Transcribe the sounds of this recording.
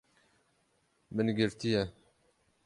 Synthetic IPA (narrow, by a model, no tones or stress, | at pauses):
mɨnɡɪɾt̪ijɛ